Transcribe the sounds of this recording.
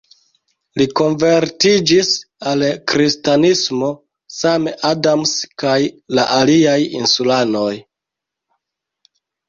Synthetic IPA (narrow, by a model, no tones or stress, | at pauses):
liko̞nveɾtid͡ʒis | alkɾistanismo̞ | sameʔadamskajlaʔaliajḭnsulano̞j